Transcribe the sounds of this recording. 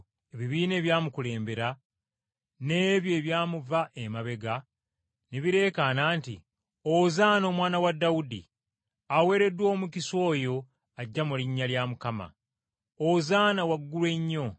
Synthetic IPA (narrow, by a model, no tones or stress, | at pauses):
e̞βiβiːne̞ːβjaːmukule̞ːmbe̞ɾa | ne̞ːβjo̞ːβjaːmuvaʔemaβe̞ɡa | neβiɾe̞ːkanaːntḭ | ozaːno̞ːmwaːnawadːawudḭ | awe̞ːɾe̞dːwo̞ːmuciso̞ːjo̞ | aɟːamuliɲːaljamukama̰ | ozaːnawaɡːulwe̞ɲːo̞